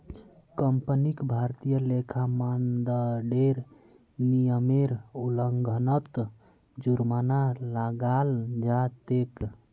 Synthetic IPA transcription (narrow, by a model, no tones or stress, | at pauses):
kəmpənikbʱaɾt̪ijəlekʰamand̪əɖeɾ | nijəmeɾuləŋɡʱənət̪ | d͡ʒuɾmanalaɡald͡ʒat̪ek